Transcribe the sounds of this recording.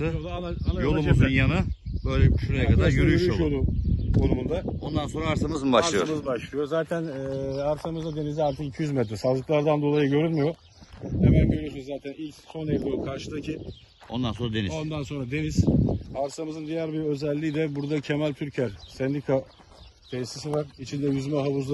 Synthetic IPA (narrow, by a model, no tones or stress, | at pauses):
ɯoaanajoumunjanabøjlʲɛʃunajɛkʰad̪aɾɟøɾyjøɾojod̪ukʰo̞numund̪ao̞nd̪anso̞nɾaaɾsamɯzmɯbaʃlˠɯjomɯzbaʃlˠɯjozaːt̪ʰænːaɾsamɯzd̪ad̪e̞niziaɾt̪ʰɯkicʰijyzmɛt̪ɾɛsalˠd̪ɯklˠaɾd̪and̪o̞lˠajɯɟø̞ɾylʲmijo̞ | hemænɟø̞ɾyjo̞sunuzzaːt̪ʰænilʲcso̞nevlʲiokʰaɾʃɯd̪acʰi | o̞̰nd̪anso̞nɾad̪e̞nizo̞nd̪anso̞nɾad̪e̞niz̥aɾsamɯzɯnd̪ijæɾbiɾø̞zɛlʲːiːd̪ɛbuɾd̪acʰe̞mælʲt̪ʰyɾcʰæɾsɛnd̪ikʰa | t̪ʰejst̪isivaɾ̥it͡ʃʰind̪ɛjuzmaɦaβuzlˠ